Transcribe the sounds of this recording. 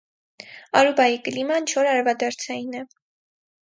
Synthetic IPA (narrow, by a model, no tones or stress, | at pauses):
ɑɾubɑjikəlimɑnt͡ʃʰɔɾɑɾvɑd̪ɑɾt͡sʰɑjinɛ